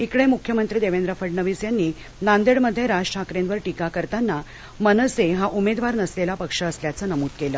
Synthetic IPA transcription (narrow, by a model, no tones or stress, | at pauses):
ikɽemukʰjəmənt̪ɾiːd̪eʋend̪ɾəfəɖɳəʋisjanːiː | nand̪eɽməd̪ʱːjeɾad͡ʑʈʰakɾẽnʋəɾʈikakəɾt̪anːa | mənəseɦaʔumed̪ʋaɾnəslelapəkʂəːsljat͡sənəmuːd̪̚kelə